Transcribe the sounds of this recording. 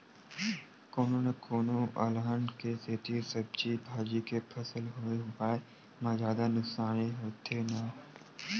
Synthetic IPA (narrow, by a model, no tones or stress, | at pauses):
koːnonɐkoːnoʔəlɦənkeset̪ʰisɐb̚t͡ʃibʱaːd͡ʒikepʰɐsəlɦoepaːe | mãzjaːd̪anʊksaːneɦoːt̪ʰena